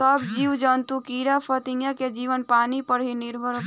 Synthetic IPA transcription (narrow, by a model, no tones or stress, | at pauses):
əbd͡ʒiːwd͡ʒənt̪ukiːɾapʰət̪ɪ̃ŋjaked͡ʒiːʋənpaːnipəɽɦinɪɾbʱəɾ